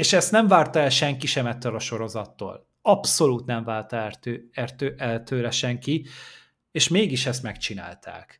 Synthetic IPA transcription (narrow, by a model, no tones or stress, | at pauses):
eːʃɛst̪nɛɱvaːrt̪ɒɛlʃɛŋkiʃɛmɛt̪ːøːlɒʃo̞ɾo̞zɒt̪ːo̰ːl | ɒpso̞luːt̪nɛɱvaːlt̪røɛrt̪øʔɛlt̪ʰøːlɛʃɛŋki | eːʃmeːɡiʃɛst̪mɛkt͡ʃina̰ːlt̪ʰa̰ːk